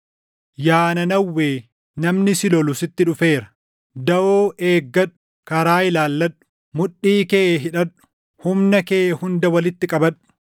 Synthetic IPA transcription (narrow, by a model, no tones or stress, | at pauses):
jaːnɐnɐwːeː | nɐmnɪsɪlɔlʊsɪt̪ːɪᶑʊfe̞ːɾɐ̥ | d̪ɐʔoːʔeːɡːɐᶑʊ̥ | kɐɾaːɪlaːlːɐᶑʊ̥ | mʊᶑːiːkeːɦɪᶑɐᶑʊ̥ | hʊmnɐkeːʔhʊnd̪ɐwɐlɪt̪ːɪkʼɐbɐᶑʊ̥